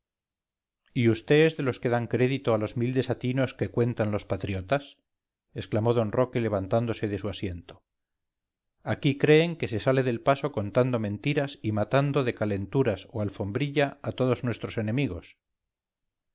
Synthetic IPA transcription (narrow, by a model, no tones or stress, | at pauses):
iust̪eezðe̞lo̞ske̞ðaŋkɾe̞ðit̪o̞alo̞zmild̪e̞sat̪ino̞ske̞kwe̞nt̪anlo̞spat̪ɾjo̞t̪as | e̞sklamo̞ð̞o̞nro̞kele̞β̞ant̪and̪o̞se̞ðe̞suasje̞nt̪o | akikɾe̞ːŋke̞se̞sale̞ðe̞lpaso̞ko̞nt̪and̪o̞mẽ̞nt̪iɾasimat̪and̪o̞ðe̞kale̞nt̪uɾasoalfo̞mbɾiʎaːt̪o̞ð̞o̞znwe̞st̪ɾo̞se̞nẽ̞miɣ̞o̞s